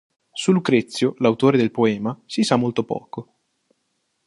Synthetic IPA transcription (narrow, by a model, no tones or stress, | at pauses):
sulukɾet̪sːjolawt̪oːɾed̪elpoɛːmasisamːolt̪opɔ̰ːko